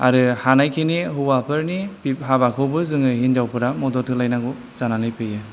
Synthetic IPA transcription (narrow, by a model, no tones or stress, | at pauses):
aɾɯhanajkʰiniɦubapʰɯɾnipip̚ɦabakʰɯwbɯzɯŋɯɦindawpʰɯɾamɔdɔt̚ʰɯlajnaɡu | zananɯjpʰɯjɯ